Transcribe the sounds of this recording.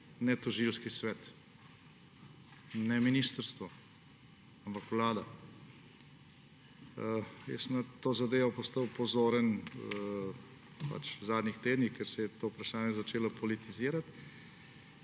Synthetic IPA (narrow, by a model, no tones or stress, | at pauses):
nɛt̪ɔʒilskisʋɛːt̪ | nɛminiːst̪əɾst̪ʋɔ | ampakʋlaːd̪a | jɛ̰səmnat̪oːzad̪eːʋɔpɔst̪ɐwpɔzoːɾən | pa̰t͡ʃwzaːd̪nixt̪eːd̪nixkɛɾsɛjɛt̪oːupɾaʃaːnjɛzat͡ʃeːlapʰɔlit̪iziːɾat̪